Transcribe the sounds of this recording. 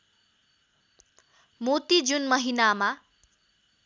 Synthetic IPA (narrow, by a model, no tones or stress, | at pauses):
mot̪id͡zunmʌɦinama